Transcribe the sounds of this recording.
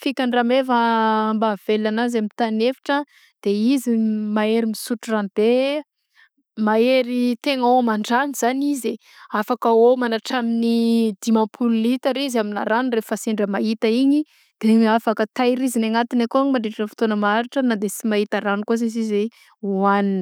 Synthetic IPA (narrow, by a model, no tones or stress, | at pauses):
fikʲanramevəmbav̥elanazamit̪anefi̥ʈ͡ʂə | d̪̥eizimaeɾimisuʈ͡ʂuranb̥e | maeɾit̪eŋaomaɳɖ͡ʐaniz̥anize | afakəomanaʈ͡ʂaminid̪̥imãpʰululit̪aɾizamina̰ɾanrefaseɳɖ͡ʐəmait̪əiɲi | d̪̥eafakət̪ajɾizinaŋat̪inakoaŋmaɳɖ͡ʐeʈ͡ʂənəfi̥t̪onəmaaɾiʈ͡ʂənad̪esimaɦit̪aɾanikos̬esize | uanini